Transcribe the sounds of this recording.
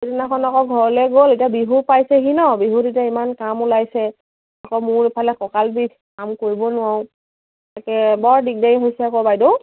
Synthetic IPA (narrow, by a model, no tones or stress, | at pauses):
edinakʰɔnakɔɡʱɔɹɔlɛɡoletiabiɦupajsɛɦinɔbiɦutitiaimankamulajsɛ | akɔmʊɹipʰalɛkɔkalbi | kamkoɹibɔnʊaʊ̃ | takɛbɔɹdik̚deɦojsɛakɔbajdo